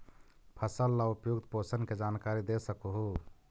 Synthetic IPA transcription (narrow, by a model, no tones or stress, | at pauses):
pʰəsəlːaupjuɡt̪posənked͡ʒankaɾid̪esəkuɦu